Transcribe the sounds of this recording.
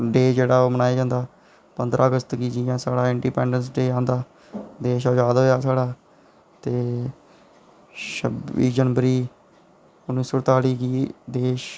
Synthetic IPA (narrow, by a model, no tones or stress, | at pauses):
ɖeːd͡ʒeːɽaːoːmənaːeːd͡ʒãːnd̪aː | pənd̪ɾʔaːəɡəst̪ɡiːd͡ʒiãːsaːɽaːɪɳɖiːpɛ̃ːɳɖənsɖeːãːnd̪aː | d̪eːʃaːd͡ʒaːd̪ɦoːjaːsaːɽaː | t̪eː | ʃəbiːd͡ʒənʋəɾiː | ʊnːiːsoːɽt̪aːliːɡiːd̪eːʃ